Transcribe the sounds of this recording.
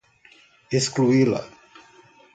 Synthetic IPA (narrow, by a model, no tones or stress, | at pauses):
eskluila̰